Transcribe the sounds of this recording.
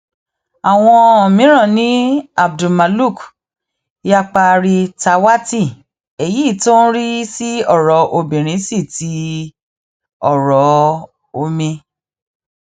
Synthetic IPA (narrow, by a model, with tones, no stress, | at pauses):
a˨w̃ɔ̃˧o˨mĩ˨˦ɾ̃ã˦˨nĩ˨˦a˨b̚du˨ma˨lu˦˨k | ja˧k͡pa˧ɾi˧ta˧wa˦ti˦˨ | e˨ji˦˨to˦n̩˦ɾi˦si˦ɔ˦˨ɾɔ˨˦ʔo˧bĩ˨ɾ̃ĩ˨˦si˦˨ti˨˦ | ɔ˦˨ɾɔ˨˦ | o˧mĩ˧